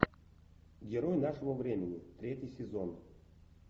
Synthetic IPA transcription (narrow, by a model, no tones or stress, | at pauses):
ɡʲɪɾojnaʂəvəvɾʲemʲɪnʲɪt̪ɾʲetʲjɪjsʲɪzon